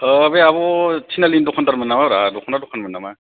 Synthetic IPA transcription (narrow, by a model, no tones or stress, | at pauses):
əbeaβɔtʰinalindɔkʰɔntaɾmɯnamaɾadɔkʰɔntadɔkʰanmɯnama